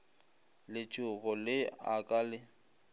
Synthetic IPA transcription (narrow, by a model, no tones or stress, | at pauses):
lɪt͡ʃʼʊɣɔlɪakʼaːlɪ